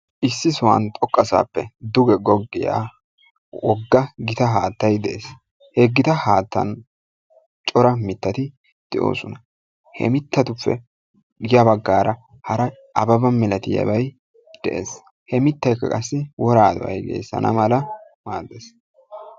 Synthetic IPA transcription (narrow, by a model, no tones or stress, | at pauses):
ʔɪsːɪsʊwɐ̰nt̪ʼɔkʼːɐsa̰ːpːɛ̰d̪ʊɡɛɡɔɡːɪja̰ː | wʔɔɡːɐɡɪt̪ɐɦaːt̪ːɐjd̪ɛʔeːs | hɛɡːɪt̪ɐhaːt̪ːɐ̰n | t͡ʃʼɔɾɐmɪt̪ːɐt̪ɪ | d̪̥ɪʔo̞̰ːsɔnɐ | hɛ̰mɪt̪ːɐt̪ʊpːɛ̰ | jɐbɐɡːaːɾɐ | hɐɾɐ | ʔɐbɐbɐmɛlɐt̪ɪjɐ̰bɐj | d̪̥ɛ̰ʔḛːs | hɛmɪt̪ːɐjkːɐ̰kʼɐsːɪwɔɾaːd̪ʊwɐ̰jɡḛːsːɐ̰nɐ̰mɐlɐ | maːd̪eːs